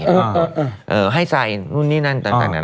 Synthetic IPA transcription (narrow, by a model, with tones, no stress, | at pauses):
ʔʔɤː˨˩ɦa˥˩jsa˧jnu˥˩˨nːiː˥˩na˧˥˩nt̪aː˨˩ŋta̰ː˨˩ŋna̰˧˥